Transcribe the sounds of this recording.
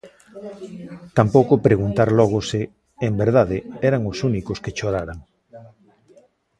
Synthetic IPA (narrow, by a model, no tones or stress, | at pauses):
t̪ampowkʊpɾeɣunt̪aɾlɔɣ̞ʊsɪː | mbeɾð̞aðɪɛɾaŋʊsunikoskeʃoɾaɾaŋ